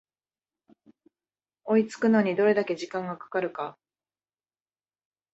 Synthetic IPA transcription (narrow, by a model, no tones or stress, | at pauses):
o̞it͡sɨ̥kɯ̟no̞ɲ̟id̪o̞ɾe̞d̪ake̞ʑikãŋɡakḁkaɾɯ̟ka